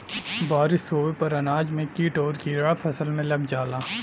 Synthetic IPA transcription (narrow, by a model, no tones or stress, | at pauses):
baːɾɪsoːʋepɐɾɐnaːd͡ʒmẽkiːʈɔːɾkiːɾɽapʰɐsəlmẽlɐbd͡ʒaːlaː